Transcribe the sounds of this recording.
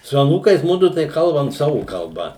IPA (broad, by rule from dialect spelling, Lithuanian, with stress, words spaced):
sʊ ɐˈnuːkɐɪs ˈmʊdʊ tɐɪ ˈkɐlˠbɐm ˈsɑːʋʊ kɐlˠˈbɐ